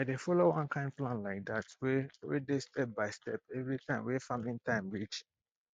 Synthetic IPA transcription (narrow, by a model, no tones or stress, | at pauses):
adefɔloɔ̃nkʰãɪ̃nplãnlaɪk̚datwewḛdestʰɛp̚baɪstɛpɛvɹitʰãɪ̃mwefamĩntãɪ̃mɹit͡ʃ